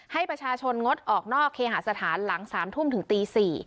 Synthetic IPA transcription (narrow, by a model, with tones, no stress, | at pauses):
ha˥˩jpɾa˧t͡ɕʰaː˧t͡ɕʰo˧nŋo˦˥t̪̚ʔɔː˨˩k̚nɔː˥˩kʰːeː˧ɦa˨˩sa˧t̪ʰaː˩˦nla˩˦ŋsaː˩˦mt̪ʰu˥˩mt̪ɯ˩˦ŋt̪iː˧siː˨˩